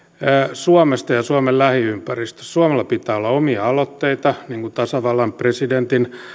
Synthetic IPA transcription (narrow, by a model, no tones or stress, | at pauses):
suɑmest̪ɑjɑsuɑmellæhiympærist̪ø̥ssuɑmelːɑpit̪æːolːɑomiɑɑlot̪ːeit̪ɑniːŋkut̪ɑsɑʋɑlːɑmpresident̪in